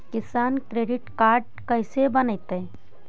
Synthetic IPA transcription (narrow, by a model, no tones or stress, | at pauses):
kɪsaːnkɾeːɖɪʈkaːɾɖ̚ | kəɪsebənəjt̪e